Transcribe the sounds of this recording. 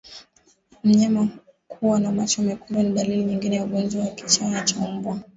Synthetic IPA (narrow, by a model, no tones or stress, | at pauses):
m̩ɲama | kʰuwanamat͡ʃɔmɛkuɓwaniɗaliliɲiŋɡinɛjauɠɔnd͡ʒwawakit͡ʃanat͡ʃam̩bwa